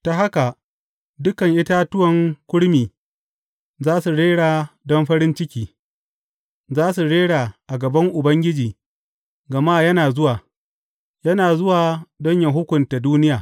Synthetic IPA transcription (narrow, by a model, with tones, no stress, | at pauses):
ta˨ɦa˦ka˨ | dʊ˦kɐ˨ŋʔɪ˦ta˦tʊ˦wɐ˨ŋkʷʊ˦ɽmiː˨ | zaː˦su˨ɽeː˦ɽaː˨dɔ˦mɸɐ˦ɾɪ˦nt͡ʃɪ˦kʲiː˦ | zaː˦su˨ɽeː˦ɽaː˨ʔa˨ɡɐ˨bɐ˦ŋʔʊ˨bɐ˦ŋɡʲɪ˦d͡ʒiː˨ | ɡɐ˨maː˦jɐ˦naː˨zʊ˦waː˨ | jɐ˦naː˨zʊ˦waː˨dɔ˦ɲjɐ˨ɦʊ˦kʷʊ˨nta˨duː˦nɪ˦jaː˨